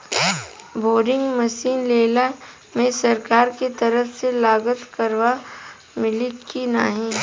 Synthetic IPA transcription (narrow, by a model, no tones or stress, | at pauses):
boːɾɪ̃ŋɡməʃiːnleːla | mẽsɐɾkaːɾket̪ɐɾəfselaːɡət̪kəɾʋa | mɪlikinaɦẽː